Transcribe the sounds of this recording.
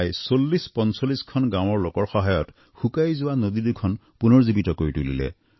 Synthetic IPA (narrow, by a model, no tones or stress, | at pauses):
jsolːispɔnsolːiskʰɔnɡãw̃ɔɹlokɔɹxɔɦajɔt | xukajzʊwanod̪idukʰɔn | punɔɹzibitɔkoɹitulḭlɛ̰